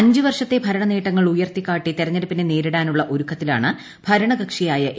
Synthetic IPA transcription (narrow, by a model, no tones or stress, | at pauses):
ɐɲd͡ʑɨʋɐrʂɐt̪ːe̞bʱɐɾɐɳɐneːʈːɐŋːɐɭujɐrt̪ikʲːaːʈːit̪eɾɐɲːɐɾɐpːineneːɾiɽaːnuɭːɐʔoɾukʰːɐt̪ːila̰ːɳɨ | b̥ʱɐɾɐɳɐɡɐkʂijaːjɐʔ